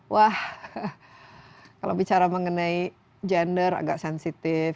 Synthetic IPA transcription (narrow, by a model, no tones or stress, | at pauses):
wʔah | kala̰bit͡ʃaɾaməŋənai | d͡ʒɛndəɾa̰ɡaksɛnsit̪ɪf